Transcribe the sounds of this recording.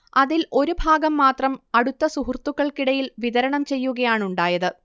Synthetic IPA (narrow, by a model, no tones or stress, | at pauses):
ɐðilʔo̞ɾubʱaːɡɐmːaːt̪rɐmɐɽut̪ːɐsuɦurt̪ːuɣːɐɭkiɽɐjilʋiðɐɾɐɳɐmt͡ɕe̞jːuɣɐjaːɳuɳɖaːjɐðɨ